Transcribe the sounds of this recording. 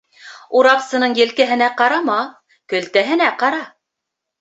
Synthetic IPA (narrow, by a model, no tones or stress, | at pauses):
uɾɑqsɤ̆nɤɴjɘ̆lkæɦɘ̆næqɑɾɑmɑ | kɵ̆lt̪æɦɘ̆næqɑɾɑ